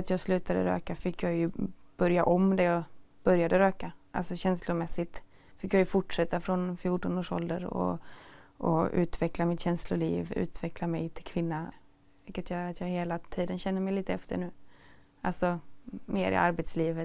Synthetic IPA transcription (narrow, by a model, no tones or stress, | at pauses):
at̪jɑːɡslʉ̟ːt̪ad̪ə̰ɾø̰ːkafɪkːjɑːjɵb̥œɾjaʔɔmd̪ɛjɑːɡb̥œɾjad̪əɾøːkaʔa̰lsɔɕɛnslʊmɛsːɪt̪ | fɪkːjɑːjɵfʊʈʂɛt̪ːafɾɔnfjuːʈɔnoːʂɔ̰ld̪ə̰ɾɔ̰ʔɔ̰ʉ̟̰ːt̪vɛklamɪt̪ɕɛnslʊlḭːvʉ̟̰ːt̪ʰvɛklamɛjt̪ʰɪlkʰvɪnːa | vɪkːət̪jɑːat̪jɑːɡheːlat̪ʰiːd̪ənɕɛnːəmɛjliːt̪əɛft̪ʰə̰ɳʉ̟ː | alsɔmeːɾɪ̰ʔaɾbɛt̪sliːvət̪